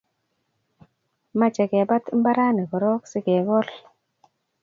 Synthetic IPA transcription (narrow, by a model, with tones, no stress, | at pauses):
ma˦t͡ʃɛ˨ɡe˨ba˦t̪m̩˦ba˦ɾa˦ni˨kɔ˨ɾɔ˦ksi˦ɡe˨ɡɔ˦l